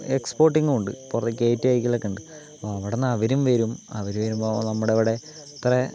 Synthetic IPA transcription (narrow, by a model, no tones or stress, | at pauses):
ekspo̞ːrʈːiŋɡuuɳɖɨ̰purɐt̪ːikʲːeːtːaːjikʲːilɐkːeɳɖɨ | ɐpːoɐʋiɽenːɐʋɐɾumʋɐɾumɐ̰ʋɐɾumʋɐɾumonɐmːuɽeɐʋiɽe̞ | t̪ire